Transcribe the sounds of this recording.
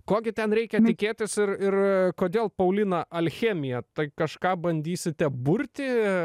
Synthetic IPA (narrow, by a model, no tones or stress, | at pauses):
koːɡʲɪt̪ʲɛnɾʲɛɪkʲɛt̪ʲɪkʲeːt̪ʲɪsɪrɪrkoːd̪ʲeːlˠpɐʊlʲɪnɐʔɐlʲxʲeːmʲɪjɛt̪ɐɪkɐʃkɑːbɐnʲd̪ʲiːsʲɪt̪ʲɛbʊɾʲt̪ʲɪ